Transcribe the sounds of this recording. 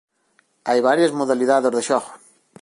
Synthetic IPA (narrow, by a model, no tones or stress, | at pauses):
ajβaɾjezmoðaliðaðezðeʃɔxo